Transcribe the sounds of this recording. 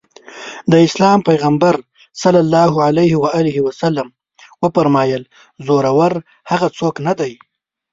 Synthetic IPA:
d̪əɪslɑmpajɣambaɾ | salːalːɑɦʊʕalajhɪwaɑːlɪɦiwasalːam | wəpaɾmɑjəl | zoɾawaɾ | haɣat͡soknad̪aj

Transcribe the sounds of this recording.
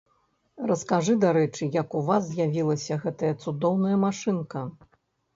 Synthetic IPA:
rɐskaʐɨd̪aɾɛt͡ʂɨjɐkuvazzːʲjavʲilˠɐsʲɐɣɛt̪ɐjɐt̪sud̪ɔwn̪ɐjɐmaʂɨnkɐ

